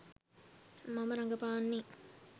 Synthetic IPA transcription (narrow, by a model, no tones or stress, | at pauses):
mɐmɐɾɐŋɡɐpaːnːi